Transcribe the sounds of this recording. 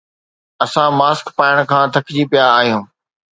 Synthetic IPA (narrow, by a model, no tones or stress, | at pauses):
ɐsãmaːskpaːɪəɽ̃kʰãːt̪ʰɐkʰd͡ʑiːpjaːaːɦijũː